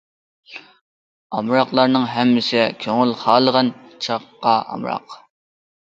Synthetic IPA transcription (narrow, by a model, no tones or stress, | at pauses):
ɑmɾɑqlˠɑɾnɨŋɦɛmːɪsɪkʲʰøŋylχɑːlˠəʁɑnt͡ʃʰɑqːɑɑ̰mɾɑ̰q